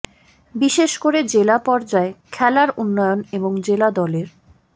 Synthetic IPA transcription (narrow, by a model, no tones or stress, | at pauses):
biʃeʃkoɾed͡ʑelapɔɾd͡ʑaekʰɛlaɾunːɔjoneboŋd͡ʑelad̪ɔleɾ